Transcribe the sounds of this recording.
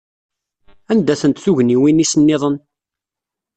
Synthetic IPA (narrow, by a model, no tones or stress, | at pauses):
ænd̪æθənt̪θuʝniwinisənːɪðˤən